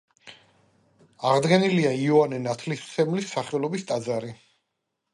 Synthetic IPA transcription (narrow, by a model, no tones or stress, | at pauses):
aʁd̪ɡɛniliaiɔanɛnat̪ʰlist̪sʰɛmlisːaχɛlˠɔbist̪ʼad̪zaɾi